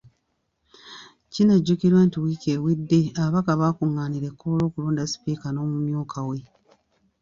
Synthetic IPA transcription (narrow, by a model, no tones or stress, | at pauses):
cineɟːukiɾwe̞ːntiwiceːwidːe̞aβakaβaːkuŋːaːniɾe̞kːolo̞ːkuluːndasi̥piːkano̞ːmumjuːkʰawe̞